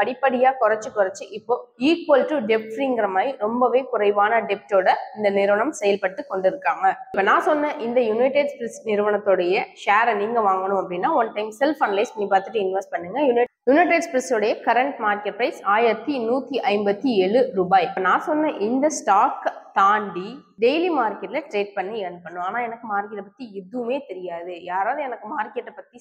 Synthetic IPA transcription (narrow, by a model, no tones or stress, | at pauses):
pɐɽɪpːɐɽɪjaːkʊɾɐt͡ʃːɯkʊɾɐt͡ʃːɯʔɪpːoːiːkʋɐlʈuɖɛp̚ʈɾiɪŋɡɐɾɐmaːjiɾɔmbɐʋeːkʊɾɐɪʋaːnɐɖɛp̚ʈoːɽɐɪnd̪ɐnɪɾɯʋɐɳɐmsɛjɐlpɐɽʈ̪ːɯkɔɳɖɪɾɯkːaːŋɡɐɪpːoːnãːsɔnːɐʔɪnd̪ɐjʊnɐɪʈɪɖspɾɛsnɪɾɯʋɐɳɐt̪ːoːɽɐjɐʃaːɾniːŋɡɐʋaːŋɡɐɳʊ̃mɐpːɐɽɪnːaːɔnʈɐɪmsɛlfɐnlɐɪsniːpaːɾt̪ɯʈːɯɪnʋɐsʈ̚pɐɳːɯŋɡɐjʊnɐjʊnɐɪʈɪɖspɾɐsoɽɐjɐkɐɾɐɳʈmaːɾkɛʈ̚pɾɐɪsaːjɐt̪ːinuːt̪ːiʔɐɪmbɐt̪ːiɛɭɯɾuːbaːjɪpːɐnãːsɔnːɐʔɪnd̪ɐsʈaːkt̪aːɳɖi | ɖejlimaːɾkɛʈlɐʈɾeːʈ̚pɐɳːiɛnpːɐɳːʊ̃aːnaːɛnɐkːɯmaːɾkɪlɐpɐt̪ːiɪðɯʋmeːt̪ɛɾɪjaːðɯjaːɾaːʋðɯɛnɐkːɯmaːɾkɛʈːɐpɐt̪ːi